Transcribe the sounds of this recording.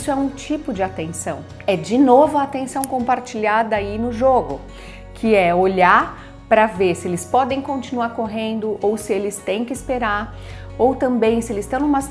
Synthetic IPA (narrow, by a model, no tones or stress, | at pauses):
sʊɛũt͡ʃipʊd͡ʒɪat̪ẽsɐ̃w̃ | ɛd͡ʒɪnovʊaːt̪ẽsɐ̃w̃kõpaɾt͡ʃiʎad̪ɐainʊʒoɡʊ | kʰɪɛoʎaɾ | pɾɐveɾsɪelɪspɔd̪ẽj̃kõnt͡ʃinuaɾkoɦẽnd̪ʊʔowsɪelɪst̪ẽj̃kɪspeɾaɾ | owt̪ɐ̃mbẽj̃sɪelɪst̪ɐ̃w̃ũmɐs